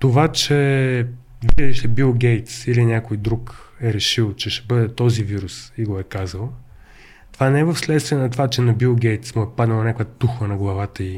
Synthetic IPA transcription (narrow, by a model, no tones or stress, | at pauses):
t̪ovat͡ʃɛ | vid̪ɛʃlibilˠɡʲɛjt̪silinʲakojd̪ɾukɛɾɛʃilˠt͡ʃɛʃɛbɤd̪ɛt̪ɔziviɾusiɡoɛkazəlˠ | t̪ovanɛɛvəfslɛt̪st̪vʲiɛnɐt̪ovat͡ʃɛnɐbilˠɡɛjt̪smoɛpad̪nəlˠnʲakvət̪uxvənɐɡlˠɐvat̪əi